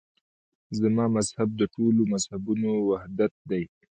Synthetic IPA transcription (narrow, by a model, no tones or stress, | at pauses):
zamɑːmazhab̚d̪əʈolomazhabunowahd̪at̪̚d̪aj